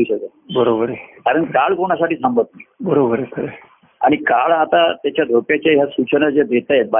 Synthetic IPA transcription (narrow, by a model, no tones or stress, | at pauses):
iɕəke | bəɾobəɾekaɾəɳkaɭkoɳ̃as̬aʈiːsəmbʱət̪̚najbəɾobəɾekʰəɾe | a̰ɽ̃ikaɭat̪at̪jat͡ɕjad̪ʱopjat͡ɕaɦjasut͡ɕənəd͡zed̪ʱet̪aj̪ba